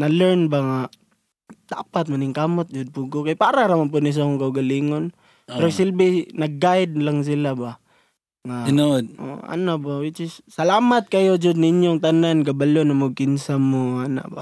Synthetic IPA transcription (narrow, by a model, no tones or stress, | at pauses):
nɐlɛɹnbaŋa | d̪̥a̰ːpat̪̚manɪŋkamot̪̚d͡ʒʊd̪̚pʊɡokajpaːɾaŋnamanp̬ʊd̪nɪs̬akʊŋkaʊɡaliŋon | pɛɾosɪlbɪnɐɡ̚ːajd̪̚laŋs̬ɪlaba | ŋanood̪̚o̰a̰nabawɪt͡ʃɪsːɐlaːmat̪̚kɐjod͡ʒʊd̪̚niɲjoŋt̪ananɡabalonamaɡ̚kɪnsamoana̰ba